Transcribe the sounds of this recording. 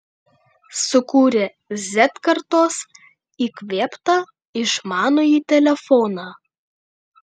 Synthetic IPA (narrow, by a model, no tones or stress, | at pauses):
sʊkuːɾʲe | zʲɛt̪kɐɾt̪oːs | iːkʋʲeːpt̪ɑ | ɪʃmɑːnoːjiːt̪ʲɛlʲɛfɔːnɑː